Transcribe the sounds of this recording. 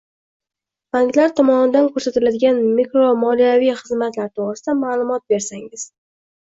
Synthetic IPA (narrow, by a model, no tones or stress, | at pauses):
b̥aŋk̪laɾt̪ʰɒmɒnɪd̪ankʰɵɾsat̪ɪlad̪ɪɡʲanmikɾomɒlijavijχɨzmat̪laɾt̪ʰoʁɾɪsɪd̪amaːlˠʊmɒt̪̚be̞ɾsaŋɪz̥